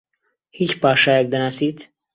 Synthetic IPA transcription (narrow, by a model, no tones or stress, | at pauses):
hiːt͡ʃpɑːʃaːjak̚d̪ɐnaːsiːt̪